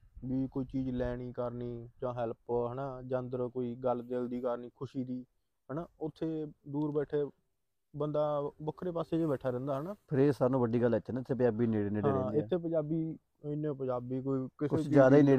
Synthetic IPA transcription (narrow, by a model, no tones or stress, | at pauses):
biːkoːiːt͡ʃiːd͡ʒlɛːɽ̃iːkəɾniːd͡ʒãːɦɛlpɦənaːd͡ʒənd̪əɾkoːiːɡəld̪ɪld̪iːkəɾniːkʰʊʃiːd̪iː | ɦənaːʊt̪ʰːeːd̪uːɾbɛːʈʰeː | bənd̪aːbəkʰɾeːpaːseːd͡ʒebɛːʈʰaːɾɛ̃nd̪aːɦənaːpʰɪɾeːsaːɾnũːʋəɖːiːɡəlːət͡ʃːt͡ʃʃnːɪt̪ʰːeːpəd͡ʒaːbiːneːɽeːneːɽɦeːãɛ̃ːɪɛːeːp̬əd͡ʒaːbiː | ɪnːeːpə̃ɲd͡ʒaːbiːkoːiːkɪskʊeːt͡ʃd͡ʒjaːd̪aːiːneː